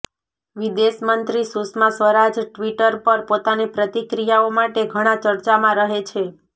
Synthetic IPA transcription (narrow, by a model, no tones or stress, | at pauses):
ʋid̪eʃmənt̪ɾisusmasʋəɾad͡ʒʈʋiʈəɾpəɾpot̪anipɾət̪ikɾijaomaʈeɡʱəɽ̃ãt͡ʃəɾt͡ʃamãɾəɦet͡ʃʰe